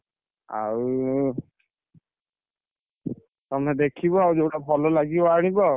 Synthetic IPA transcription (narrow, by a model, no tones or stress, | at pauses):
a̰ɹu | tɔmnɛdekʰibɔaɹuzotabʱɔlɔlaɡiɔaɹnibɔ